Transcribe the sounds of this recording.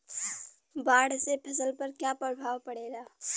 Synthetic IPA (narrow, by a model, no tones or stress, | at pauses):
baːɽsepʰɐsəlpəɾkjapɾəbʱaːwpəɽeːɡaː